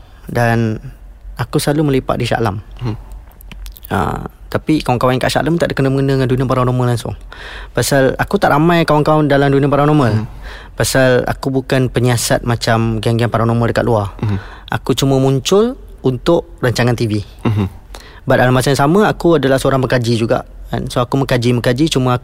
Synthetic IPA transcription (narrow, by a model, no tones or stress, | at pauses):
dan | akusəlaluməlipa̰ʔ̚diʃa̰lam | ə̰t̪apikawaŋkawankaʔʃa̰lamt̪aʔdəkənəməŋənəŋanduniãpaɾanomalaŋsʊ̰ŋpasala̰kut̪aʔɾamãjkawaŋkawandalamdunĩəpaɾanomal | pasala̰kubukanpəɲiasat̪̚mat͡ʃamɡiaŋɡianpaɾanomaldəkat̪̚luar | ʔa̰kut͡ʃumə̃muɲt͡ʃʊl | unt̪ʊʔraɲt͡ʃaŋant̪ivi | bat̪̚alamasaansamə̃akuadalahsəoɾaŋbəkad͡ʒid͡ʒuɡa̰ʔka̰nsoakuməkad͡ʒiməkad͡ʒit͡ʃumə̃a